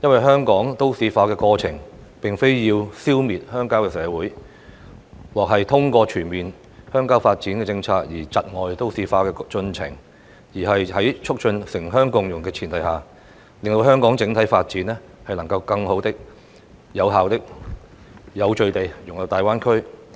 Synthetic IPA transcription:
jɐ˥nwɐ˨jɦœː˥ŋkɔː˨˥ŋt̪o˥wsiː˨˧faː˧kɛː˧kɔː˧t͡sʰɪ˨˩ŋpɪ˨ŋfe˥jjiː˧wsiː˥wmiː˨t̚hœː˥ŋkaː˥wkɛː˧sɛː˨˥wuː˨˥j | wɔː˨˩k̚ɦɐ˨jt̪ʰʊ˥ŋkʷɔː˧t͡ʃʰyː˨˩nmiː˨n | hœː˥ŋkaː˥wfaː˧t̚t͡siː˨˥nkɛː˧t͡sɪ˧ŋt͡sʰaː˧k̚jiː˨˩t͡sɐ˨t̚ŋɔː˨jt̪o˥wsiː˨˧faː˧kɛː˧t͡ʃɵ˧nt͡sʰɪ̰˨˩ŋ | jiː˨˩ɦɐ˨jhɐ˨˥jt͡ʃʰʊ˥k̚t͡ʃɵ˧nsɪ˨˩ŋɦœː˥ŋkʊ˧˥ŋjʊ˨˩ŋkɛː˧t͡sʰiː˨˩nt̪ɐ˨jɦaː˨ | lɪ˨ŋt̪o˧wɦœː˥ŋkɔː˨˥ŋt͡sɪ˨˥ŋt̪ʰɐ˨˥jfaː˧t̚t͡siː˨˥nɛ˥ | hɐ˨jlɐ˨˩ŋkɐ˧wkɐ˧ŋho˨˥wt̪ɪ˥k̚ | jɐ˨˧wɦaː˨wt̪ɪ˥k̚ | jɐ˨˧wt͡ʃɵ˧ɥt̪e˨jjʊ˨˩ŋjɐ˨˧wt̪aː˨jwaː˥nkʰɵ˥ɥ

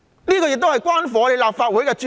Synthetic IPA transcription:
niː˥kɔ˧jɪ˨k̚t̪o˥hɐ˨jkwaː˥nfɔ˨ɔ˨˧le˨˧jlaː˨p̚faː˧t̚wuː˨˥jkɛː˧t͡ʃː

